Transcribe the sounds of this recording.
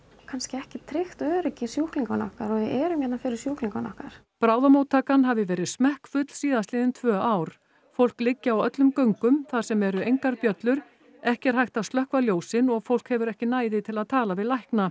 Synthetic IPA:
kʰanscɪɛhcɪt̪ʰɾɪxt̪œːɾɪcɪsjuhkliŋkanɔ̰hkaɾɔɣjɪɛːɾʏmjɛt̪nanfɪɾɪɾsjuhkliŋkanɔ̰hkaɾ̥ | pɾaːwðamoːwt̪ʰːaːkanɦavɪvɛːɾɪðsmɛhkfʏt̪l̥siːðast̪ɪːðɪnt̪ʰvœːaːwɾ̥ | fowl̥klɪcːaawœt̪lʏmkœɥŋkʏmθḁsɛmɛɾʏejŋkaɾpjœt̪lʏɾ̥ | ɛhcɛɾ̥hajht̪awst̪lœhkvaljoːwsɪnɔɣfowlkhɛvʏɾɛhcɪnaːjðɪt̪ʰɪlaðt̪ʰaːlavɪðlajhkna

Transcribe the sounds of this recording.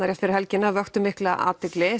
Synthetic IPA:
aɾjafɪɾɪ̥ɾhɛlcɪnːavœxt̪ʏmɪhklaʔa̰ːt̪ɪklɪ

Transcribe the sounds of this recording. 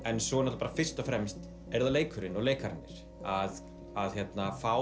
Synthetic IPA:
ɛnsɔɣnɔt̪paɾafɪr̥st̪ɔfɾɛmst̪ | ɛɾðaleːjkʏɾɪnɔɣleːjkaɾɪnːɪ̰ɾ̥ | að | aðçjɛt̪nafaw

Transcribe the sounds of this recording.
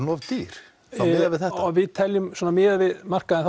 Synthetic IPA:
nɔvt̪iɾ̥ | aðavɪðθɛht̪ɔvɪðt̪ʰɛljʏmsɔːnamɪːðavɪðmar̥kaɛnθ

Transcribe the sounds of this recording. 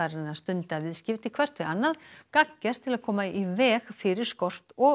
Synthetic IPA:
aɾɪnːast̪ʏnt̪avɪðscɪft̪ɪkʰvɛr̥t̪ʰʏanːaðkacːɛɾ̥t̪ʰɪlaðkʰɔːmaivɛːɣfɪɾɪɾ̥skɔr̥t̪ɔ

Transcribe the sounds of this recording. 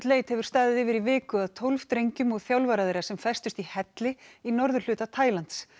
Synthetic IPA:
t̪leːjt̪hɛvʏɾ̥st̪aːðɪðɪvɪɾivɪːkʏaðt̪ʰowlv̥t̪ɾejɲcʏmɔɣθjawlvaɾaðejɾasɛmfɛjst̪ʏst̪ihɛt̪lɪinɔɾðʏɾ̥l̥ʏːt̪at̪ʰaːjlant̪s

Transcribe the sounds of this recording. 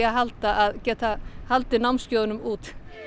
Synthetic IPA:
aɦalt̪aʔːðcɛːt̪ahalt̪ɪnawnscjowðnʏmuːt̪

